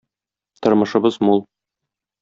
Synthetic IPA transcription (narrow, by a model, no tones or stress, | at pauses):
t̪ŏɾmɤ̆ʃɤ̆bɤzmulˠ